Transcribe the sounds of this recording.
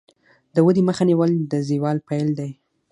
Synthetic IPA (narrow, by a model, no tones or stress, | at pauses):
d̪əwəd̪iməxaniwəld̪əziwɑlpajld̪aj